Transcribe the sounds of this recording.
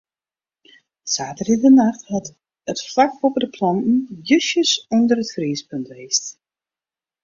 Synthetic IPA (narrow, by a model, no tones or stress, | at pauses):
saːtərɪdənaxthat | ətflakopdəpʰlɔntn̩jøsjəsundəɾətfriːspøntʋeːst